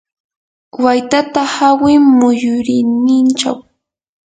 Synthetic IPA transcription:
wajt̪at̪ahawɪmʊjʊɾɪnɪnt͡ʃa̰w

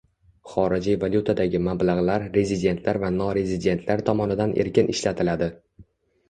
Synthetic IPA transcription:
χɒɾɪd͡ʒijvaljut̪ʰad̪aɡʲɪmablaʁlaɾɾe̞zid̪e̞nt̪ʰlaɾvanɒɾe̞zid̪e̞nt̪ʰlaɾt̪ʰɒmɒnɪd̪anʔḛɾkʲɪnʔɪʃlat̪ʰɪlad̪ɪ

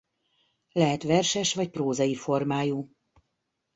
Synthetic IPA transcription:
lɛɦɛt̪ʋɛrʃɛʃʋɒcproːzɒjifo̞rmaːjuː

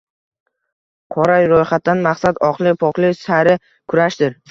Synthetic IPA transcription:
qʰɒɾajɾojχat̪̚ːanmaqsat̪ɒqlˠɪpʰɒqlˠɪsaɾɪ | kʰʊɾaʃd̪ɪɾ

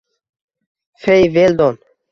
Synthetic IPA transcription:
fejveːld̪oːn

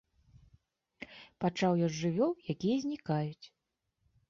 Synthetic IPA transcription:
pat͡ʂawjɔʐʲʐɨvʲɔwjakʲijɐzʲnʲikajut͡sʲ

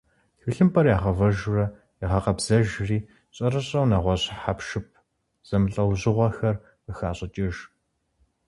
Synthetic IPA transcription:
ɬɨɬɨmpʰʼɐrjaːʁɐvɐʒrɐ | ɪʁɐqɐbz̥ɐʒriː | ɕʼɐrɨɕʼɐwnɐʁʷɔɕħapʃɪp̚ʰ | z̥ɐmɨɬʼɐwʑɪʁʷɔxɐr | əxaːɕʼɪt͡ʃʼɪʒ

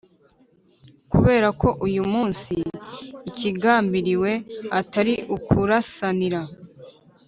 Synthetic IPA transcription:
kuβe̞ːɾako̞ʔujumuːnsiː | ciɡaːmbiɾiwe̞ataɾiʔukʰuɾasaniɾa

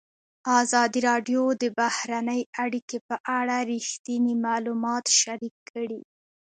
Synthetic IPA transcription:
ɑzɑd̪iɾɑɖjod̪əbahɾanəjaɽikepəʔaɽaɾixt̪inimɑlumɑt̪ʃaɾikʰːəɽi

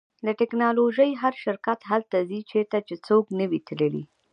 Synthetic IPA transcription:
laʈɪknɑloʒəjɦaɾʃɪɾkat̪ɦalt̪azit͡ʃeɾt̪at͡ʃet͡soknəwit̪ləlḭ

